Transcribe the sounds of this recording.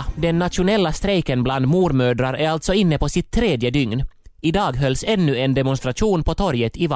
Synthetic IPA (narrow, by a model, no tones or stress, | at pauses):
d̪ɛnːat̪ʂʊnɛlːast̪ɾɛjkənbland̪muːɾmøːd̪ɾaɾæɾalt̪sɔɪnːəpʰɔsɪt̪ʰːɾeːd̪jəd̪ʏŋnɪd̪ɑːɡɦœlsɛnːʉɛnd̪ɛmʊnst̪ɾaʂuːnpʰɔt̪ʰɔɾjət̪ɪv